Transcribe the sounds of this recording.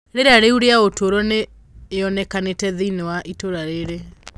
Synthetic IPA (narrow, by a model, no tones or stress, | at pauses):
ɾeɾaɾeuɾeaotʰoɾɔneː | ɔnɛkanetɛðiinewaʔitoɾaɾeɾe